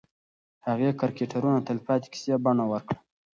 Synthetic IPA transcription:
haɣekaɾkeʈʰaɾunat̪alpɑt̪i̥ki̥sjebanawəɾkɽa

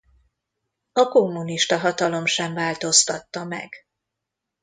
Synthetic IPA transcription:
ɒkomːuniʃt̪ɒɦɒt̪ɒlo̞mʃɛɱvaːlt̪o̞st̪ɒt̪ːɒmɛ̰ɡ̥

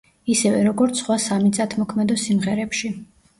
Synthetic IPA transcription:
isɛvɛɾɔɡɔɾt̪sʰχwasamisat̪ʰmɔkʰmɛd̪ɔsimʁɛɾɛpʃi

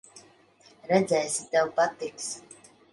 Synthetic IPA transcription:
ɾɛd̪zʲɛjsʲit̪ɛwpat̪iks

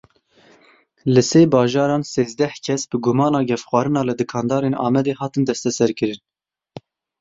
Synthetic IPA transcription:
lɨseːbɑːʒɑːɾɑːnseːzd̪ɛhkʰɛsbɨɡʊmɑːnɑːɡʲɛfxwɑːɾɨnɑːlɨd̪ɨkʰɑːnd̪ɑːɾeːnɑ̰ːmɛd̪eːhɑːt̪ɨnd̪ɛst̪ɛsɛɾkɨɾɨn

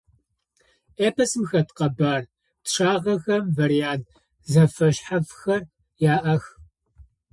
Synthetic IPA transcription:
ʔeːpʰɐsɨmxɐtqɐbaːr | tʂaːʁɐxɐmvɐɾijaːnt | zɐfɐɕħafxɐr | jaːʔɐx

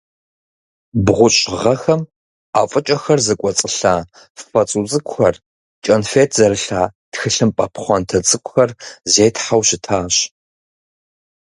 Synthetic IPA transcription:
bʁʷʊɕʼʁɐxɐm | aːfʼɨt͡ʃʼɐxɐrzɨkʷʼɔt͡sʼɨɬaː | fɐt͡sʼut͡sʼɨkʷxɐr | t͡ʃʼɐnfeːtʰz̥ɐɾɨɬaːtxɨɬɨmpʼɐpʰχʷɔntʰɐt͡sʼɨkʷʊxɐrzeːjtħawɕɪtʰaːɕ

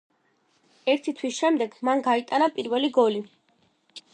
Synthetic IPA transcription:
ɛɾt̪ʰit̪ʰwisʃɛmd̪ɛɡmanɡait̪ʼanapʼiɾvɛliɡɔli

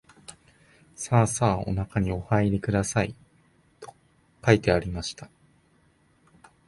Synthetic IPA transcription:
saːsaːo̞̰nakaɲ̟io̞haiɾʲikɯ̟d̪asai | t̪o̞̥ | kait̪e̞aɾʲimaɕi̥t̪ḁ

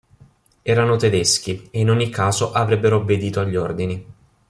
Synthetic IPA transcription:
ɛːɾanot̪ed̪esk̟ieinoɲːikːaːzoʔavɾebːeɾoːbːed̪iːt̪oaʎːord̪ini

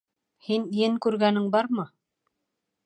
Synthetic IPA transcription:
hinjɘŋkʉɾɡænɘŋbɑɾmɤ

